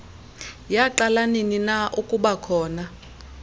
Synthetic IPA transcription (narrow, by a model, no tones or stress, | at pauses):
jaǃalanininaʔukʼuɓakʰɔːna